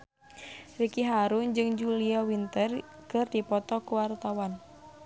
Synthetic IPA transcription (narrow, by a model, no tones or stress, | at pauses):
rikiɦaɾund͡ʒɨŋd͡ʒuliawint̪ərkɨrdipɔt̪ɔkuwart̪awan